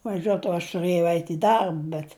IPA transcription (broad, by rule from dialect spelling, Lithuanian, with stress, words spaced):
ʋɐˈʒʲuɔt oː ɐʃ tʊˈrɘjɛʊ ˈɛɪt ɪ ˈdɐrp bʲɛt